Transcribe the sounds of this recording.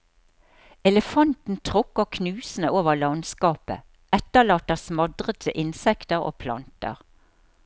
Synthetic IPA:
ɛləfɑnt̪n̩t̪ʰʁʊkːəkʰnʉːsn̩əʔoːʋəʁlɑnskɑːpə̰ | ɛt̪əlɑːt̪əsmɑd̪ʁət̪ʰəʔɪnsɛkt̪əʁo̰ːpʰlɑ̰nt̪ə̰ʁ

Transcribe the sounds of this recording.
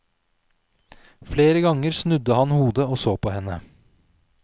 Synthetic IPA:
fleːɾəɡɑŋəɾsnʉd̪əhɑnhuːd̪əoːsoːpʰɔhɛnə

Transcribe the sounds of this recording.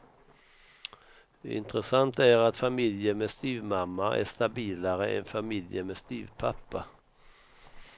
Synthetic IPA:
ɪ̰nt̪ɾəsant̪æɾat̪famɪljəmɛst̪yːvmamːaʔæ̰ʂt̪abiːlaɾəɛ̰nfamɪljəmɛst̪yːvpʰapːa

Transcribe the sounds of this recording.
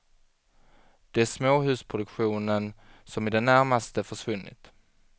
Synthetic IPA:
d̪̥ɛæʂmoːɦʉ̟ːspʰɾʊd̪ɵkɧuːnənsɔmɪd̪ɛnːæɾmast̪əfœʂvɵnːɪ̰t̪

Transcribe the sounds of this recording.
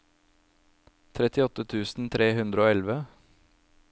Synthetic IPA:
t̪ʰɾɛt̪ɪɔt̪ət̪ʰʉːsn̩t̪ʰɾeːhʉnd̪ɾəoːɛlʋə

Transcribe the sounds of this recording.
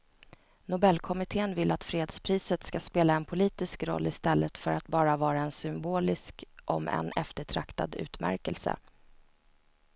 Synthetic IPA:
nʊbɛlːkʰɔmɪt̪ʰeːənvɪlːat̪fɾeːd̪spʰɾiːsət̪skaspeːlaɛnpʰʊliːt̪ɪskɾɔ̰lːɪst̪ɛlːət̪fœɾat̪bɑːɾavɑːɾaɛnsʏmboːlɪskʔɔ̰mɛ̰nɛft̪əʈʰɾakt̪a̰d̪ʉ̟̰ːt̪mæ̰ɾkəlsə̰

